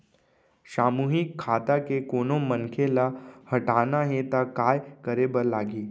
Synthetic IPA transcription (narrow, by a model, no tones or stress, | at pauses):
ɕamuɦikʰːat̪akekonomənkʰelahəʈanaɦet̪akajkəɾebəɾlaɡiː